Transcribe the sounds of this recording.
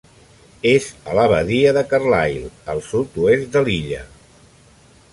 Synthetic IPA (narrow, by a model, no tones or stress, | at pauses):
ezələβəðiəðəkərlajlˠəlˠsut̪uezd̪əliʎə̰